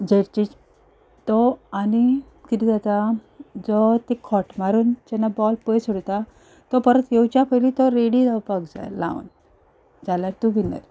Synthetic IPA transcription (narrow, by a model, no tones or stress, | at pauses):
d͡ʑeɾt͡ɕit͡ɕ | t̪ɔːni | kit̪id͡zat̪a | d͡zɔt̪ekʰɔʈmaɾuːnt͡ɕɛnːabɔlpəjsuɽt̪a | t̪ɔpəɾət̪jewt͡ɕapʰəjlit̪ɔɾeɽid͡zawpaɡd͡za̰la̰ṵn | d͡zalaɾt̪uʋinə̰ɾ